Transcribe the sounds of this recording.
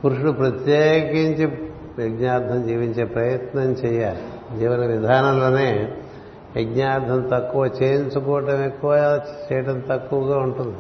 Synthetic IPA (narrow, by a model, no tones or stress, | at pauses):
puɾuʂuɽupɾɐt̪jeːkiɲt͡ʃi | ʋjɐɡɲaːɾd̪ʱɐmd͡ʒiːʋiɲt͡ʃe̞ːpɾɐjɐt̪nɐmt͡ʃɛjaːi | d͡ʒiʋɐɾiʋid̪ʱaːnɐlo̞ːne̞ː | ɐɡɲaːɾd̪ʱɐmt̪ɐkːuʋɐt͡ʃeːjiɲt͡ʃukɔːʋɐʈɐmekːuʋaːt͡ʃɛjɐʈɐmt̪ɐkːuʋɐɡaːuɳʈund̪i